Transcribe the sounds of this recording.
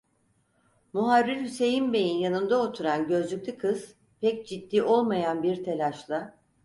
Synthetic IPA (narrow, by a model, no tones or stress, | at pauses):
muɦaɾːiɾhyse̞jinbe̞jinjanɯnd̪ao̞t̪ʰuɾanɟø̞zlʲyc̚ʲlʲikʰɯz̥ | pʰɛc̚d͡ʒid̪ːiːʔo̞lˠmajanbiɾt̪ʰe̞lʲaʃlˠa